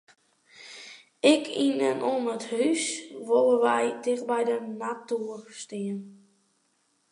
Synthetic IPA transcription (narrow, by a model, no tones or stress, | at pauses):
ɪkʰinənʔonəthysʋolˠəʋɛjtɪɣbɛjdənatuːərstiən